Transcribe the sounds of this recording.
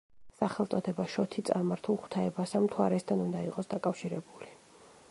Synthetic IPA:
saχɛlˠt̪sʼɔd̪ɛbaʃɔt̪ʰit̪sʼaɾmaɾt̪ʰulˠχw̥t̪ʰaɛbasamt̪ʰwaɾɛst̪ʰanund̪aiqʼɔsd̪akʼafʃiɾɛbuli

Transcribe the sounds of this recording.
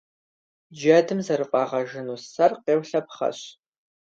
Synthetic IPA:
d͡ʒɐdɨmzɐɾɨqʷʼɑːʁɐʒɪnuːsɐrqeːwɬɐpχɐ̰ɕ

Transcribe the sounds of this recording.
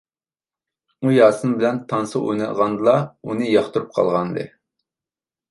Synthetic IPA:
ujɑːsɨnbɪlɛnt̪ʰɑnsɨʔo̰jnɨd̪ʁɑnd̪ɨlˠɑunɨjɑχt̪uɾup̚qʰɑ̰lˠʁɑnd̪ɨ̰

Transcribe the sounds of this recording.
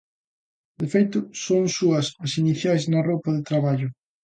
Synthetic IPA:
d̪efejt̪ʊsoŋsuɐsɐsiniθjajznɐropɐðɪt̪ɾaβaʎʊ

